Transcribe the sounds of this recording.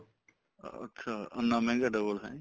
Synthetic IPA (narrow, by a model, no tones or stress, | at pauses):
ə̰tːɕʰaə̰nːamɛ̃ŋɡaɖəbəlɦɛ̰̃